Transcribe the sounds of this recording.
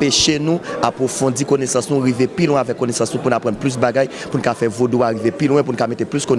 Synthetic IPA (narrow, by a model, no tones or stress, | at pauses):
peʃenũapʁofɔ̃d͡zikonɛsɑ̃snũɣivepilw̃ɛ̃avɛkːonesɑ̃snũpunapʁãnplys̬baɡaj | punukafɛvodoaɣivepilw̃ɛ̃p̬unukamet̪eplyskone